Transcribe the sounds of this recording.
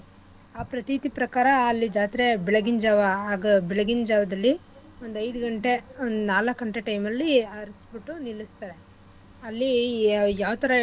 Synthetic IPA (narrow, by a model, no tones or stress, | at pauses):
aːpɾɐt̪it̪ipɾɐkaːɾɐːlːid͡ʒaːt̪iɾe̞biɭɐɡind͡ʒaːʋaɦaːɡɐbiɭɐɡind͡ʒaːʋɐd̪ɐlːi | wond̪ɐjd̪uɡɐɳʈe̞naːlɐkːɐɳʈeʈɐjmɐlːiɐɾisbiʈːunilːist̪aːɾe̞ | ɐlːijaːʋt̪ɐɾɐ